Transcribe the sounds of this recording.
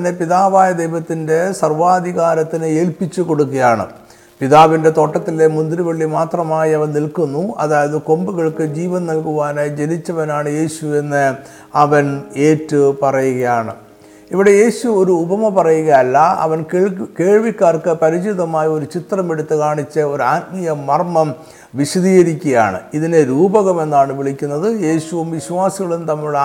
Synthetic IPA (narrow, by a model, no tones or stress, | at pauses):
ɐnːepiðaːʋaːjɐd̪ejʋɐt̪ːinde̞sɐrʋaːd̪ʱiɣaːɾɐt̪ːinɨeːlpit͡ɕːuko̞ɽukːɐjaːɳɨ̰ | piðaːʋinde̞t̪o̞ːʈːɐt̪ːile̞mund̪riʋɐɭːimaːt̪rɐmaːjiɐʋɐnnilkunːuɐ̰ðaːjɐðɨko̞mbuɣɐɭkɨd͡ʑiːʋɐnnɐlkuʋaːned͡ʑe̞nit͡ɕːɐʋɐnaːɳɨje̞ːɕue̞nːɨ | ɐʋɐne̞ːtːɨpɐrɐjuɣɐjaːɳɨ | iʋiɽe̞je̞ːɕuo̞ɾuːbɐmɐpɐrɐjuɣɐɐlːɐɐ̰ʋɐnkke̞ːɭʋikʲːaːrkɨpɐɾit͡ɕiðɐmaːjɐo̞ɾut͡ɕit̪rɐmeɽut̪ːɨkaːɳit͡ɕːɨo̞ɾaːt̪̚mijɐmɐrmɐm | ʋiɕɐðiːɣɐɾikʲːɐɐja̰ːɳɨ̰iðineɾuːbɐɣɐme̞nːaːɳɨʋiɭikʲːunːɐðɨje̞ːɕuʋumʋiɕuʋaːsiɣɐɭumt̪ɐmːiuɭ